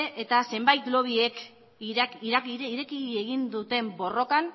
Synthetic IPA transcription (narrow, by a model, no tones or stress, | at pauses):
ʔet̪ase̞mbajt̪lo̞β̞ie̞k | ɾiiɾe̞kieɣind̪ut̪e̞mbo̞ro̞kan